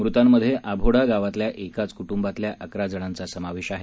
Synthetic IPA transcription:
mɾut̪amːəd̪ʱːjeʔabʱoɽaɡaʋat̪ljaʔekat͡skuʈumbat̪ljaʔəkɾad͡zəɽ̃ant͡sasəmaʋeɕaɦe

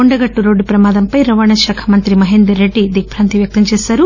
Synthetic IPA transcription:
oɳɖɐɡɐʈːuɾoːɖupɾɐmaːd̪ɐmpɐjɾɐʋaːɳɐʃaːkʰɐmɐnt̪ɾimɐɦeːnd̪ɾɐɾːeɖːid̪ik̚pʰɾaːnt̪iʋjɐk̚t̪ɐmt͡ʃɛːsaːɾu

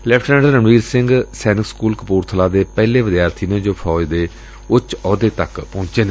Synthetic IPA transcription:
lɛpʰʈɛ̃ɖəɾəmʋiːɾsɪ̃ŋɡsɛːnɪkskuːlkəpuːɾt̪ʰəlaːd̪eːpɛːleːʋɪd̪jaːɾt̪ʰiːnẽːd͡ʒoːpʰɔːd͡ʒd̪eː | ʊt͡ʃɔːd̪eːt̪əkpɔ̃ːɲt͡ʃeːneː

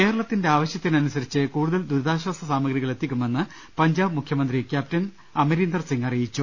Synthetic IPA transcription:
ke̞ːɾɐɭɐt̪ːinde̞aːʋɐɕjɐt̪ːinɐnusɐɾit͡ɕːɨkuːɽuðɐld̪uɾðaːɕwaːsɐsaːmɐɡɾiɣɐɭe̞t̪ʰːikʲːume̞nːɨ | pɐɲd͡ʑaːbmukʰjɐmɐnd̪rikʲjaːp̚tɐn | ɐmɐɾiːnd̪ɐrsiŋɡɐrijit͡ɕːu

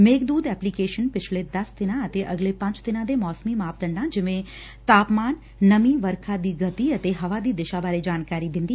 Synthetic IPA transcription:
meːkd̪uːd̪ɛːplikeːʃənpɪt͡ʃʰled̪ɐsd̪ɪnãɐt̪eʔɐɡlepɐ̃ɲt͡ʃd̪ɪnãd̪emɔːsmimaːpd̪ɐɳɖãd͡ʒɪʋẽ | t̪aːpmaːnː | ɐmiʋɐɾkʰad̪iːɡɐt̪iɐt̪eɦɐʋad̪iːd̪ɪʃabaːɾed͡ʒaːnkaːɾid̪ɪ̃nd̪iː

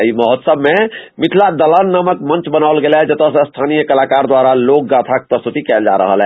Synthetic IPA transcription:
iməɦət̪səbmemit̪ʰlad̪ələnːaməkmənt͡ʃbənaʊlɡelɦɛd͡ʒət̪əsst̪ʰanijəkəlakaɾd̪waɾalok̚ɡat̪ʰake̥pɾəst̪ut̪ikɛld͡ʒa̰ɾə̰ɦəlɦɛ

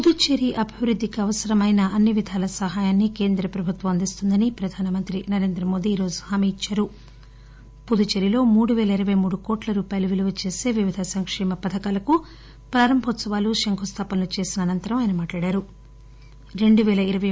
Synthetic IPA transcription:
pud̪ut͡ʃeɾiʔɐbʱiʋɾud̪ʱːikiɐʋɐsɐɾɐmɐjnɐʔɐnːiʋid̪ʱaːlɐsɐɦaːjaːnːike̞ːnd̪ɾɐpɾɐbʱut̪ʋɐmɐnd̪ist̪und̪ɐnipɾɐd̪ʱaːnɐmɐnt̪ɾinɐɾe̞ːnd̪ɾɐmo̞ːd̪iːɾo̞ːd͡ʒuhaːmiit͡ʃːaːɾu | pud̪ut͡ʃeɾilo̞ːmuːɽuʋɛːlɐiɾɐʋɐjmuːɽukoːʈlɐɾuːpaːjɐluʋiluʋɐt͡ʃe̞ːse̞ːʋiʋid̪ʱɐsɐŋkʂɛːmɐpɐd̪ʱɐkaːlɐku | pɾaːɾɐmbʱɔt̪sɐʋaːluʃɐŋkʰust̪ʰaːpɐnlut͡ʃe̞ːsinɐːnɐnt̪ɐɾɐmaːjnɐmaːʈlaːɽaːɾu | ɾe̞ɳɖuʋɛːlɐiɾɐʋɐ

